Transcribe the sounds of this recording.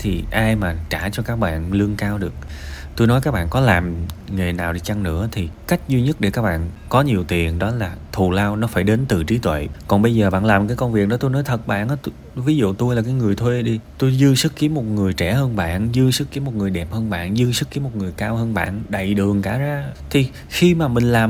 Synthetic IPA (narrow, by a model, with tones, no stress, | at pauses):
t̪ʰi˨˩ʔaː˧jmaː˨˩t͡ɕaː˧˩t͡ɕɔ˧kaː˦˥k̚ɓa̰ː˧˨nlɨ˧ənkaː˧wɗɨ˨˩ək̚t̪u˧jnɔ˨˦jkaː˦˥k̚ɓa̰ː˧˨kɔ˨˦laː˨˩mŋe˨˩naː˨˩wɗi˧t͡ɕa˧ŋnɨ̰˧˥ət̪ʰi˨˩ka˦˥jk̟̚zwi˧ɲə˦˥t̚ɗe˧˩kaː˦˥k̚ɓa̰ː˧˨n | kɔ˨˦ɲi˨˩əwt̪i˨˩ənɗɔ˨˦laː˨˩t̪ʰu˨˩laː˧wnɔ˨˦faː˧˩jɗe˨˦nt̪ɨ˨˩t͡ɕi˨˦t̪wḛ˧˨jkɔ˨˩nɓə˧jzəː˨˩ɓa̰ː˧˨laː˨˩mkaː˨˦jkə˧wŋ͡mvi˨˩ək̚ɗɔ˨˦t̪o˧jnɔ˨˦jt̪ʰə˨˩t̚ɓa̰ː˧˨nʔa˨˦t̪ | vi˨˦zṵ˧˨t̪u˧jlaː˨˩kaː˨˦jŋɨ˨˩əjt̪ʰwe˧ɗi˧t̪u˧jzɨ˧sɨ˦˥kki˨˦mo˨˩t̚ŋɨ˨˩əjt͡ɕɛ˧˩həː˧nɓa̰ː˧˨nzɨ˧sɨ˦˥k̚kːi˨˦mo˨˩t̚ŋɨ˨˩əjɗɛ˨˩p̚həː˧nɓa̰ː˧˨nzɨ˧sɨ˦˥k̚ki˨˦mo˨˩t̚ŋɨ˨˩əjkaː˧whəː˧nɓa̰ː˧˨nɗə̰˧˨jɗɨ˨˩əŋkaː˧˩zaː˧t̪ʰi˨˩ | xi˧maː˨˩mï˨˩ŋ̟laː˨˩m